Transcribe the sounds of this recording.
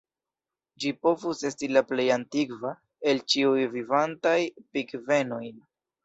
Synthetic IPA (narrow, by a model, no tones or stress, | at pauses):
d͡ʒipo̞vuse̞stilaple̞jantiɡva | e̞lt͡ʃiujvivantajpikve̞no̞j